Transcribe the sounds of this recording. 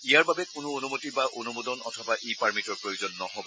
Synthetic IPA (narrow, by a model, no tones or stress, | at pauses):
ijaɹbabɛkʊnʊonumotibaʔonumodɔnɔ̰tʰɔbaʔepaɹmitɔɹpɹojozɔnːɔɦɔb